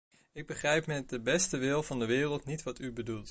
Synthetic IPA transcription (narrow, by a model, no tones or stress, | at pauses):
ɪɡ̚bəχrɛjpmɛt̚dəbɛstəʋɪlˠvɑndəʋɪːrəlˠtnitʋɑtybədulˠt